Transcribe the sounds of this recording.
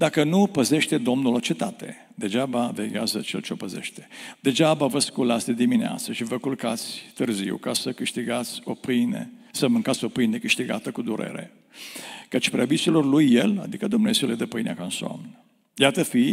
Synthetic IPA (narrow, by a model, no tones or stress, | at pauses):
d̪akənupəze̞ʃt̪e̞d̪o̞mnulot͡ʃe̞t̪at̪e̞̰ | d̪̥e̞d͡ʒabaveɡʲeazət͡ʃḛlt͡ʃeopəze̞̰ʃt̪e̥d̪̥e̞d͡ʒabavəskulat̪sʲd̪ed̪iminea̰t̪səʃivəkulkat̪sʲt̪ɨrzḭwkasəkɨʃt̪iɡat̪sʲopɨnḛsəmɨŋkat̪sʲo̞pɨjnd̪ekɨʃt̪iɡa̰t̪əkud̪uɾʔe̞̰ɾe̞̰ | kət͡ʃʲpɾeabisilo̞rlujːela̰d̪ikəd̪umneziuled̪epɨjnḛa̰kansa̰mn | jat̪əfi